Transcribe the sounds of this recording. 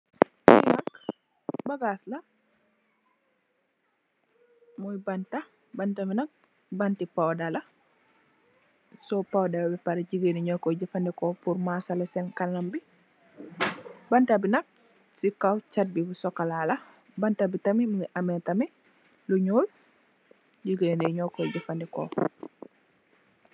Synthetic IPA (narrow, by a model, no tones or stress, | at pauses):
mɔ̰jnɐk | baɡaslɐ | mɔjbanta | bantaminɐk̚ | bantipawdalɐ | sɔpawdabɛpaɾeɟiɡeniɲɔkɔɟifandɛkɔpuɾmasalɛsɛnkanambi | bantabinɐk̚ | sikawt͡ʃat̚bibusɔkalala | bantabitamimuiʔamɛtami | luɲoːl | ɟiɡeneɲɔkːɔɟafandɛkɔ̰ː